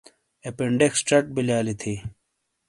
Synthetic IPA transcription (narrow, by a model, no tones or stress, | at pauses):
epeɳɖeksʈɐʈ̚biljaːlit̪ʰi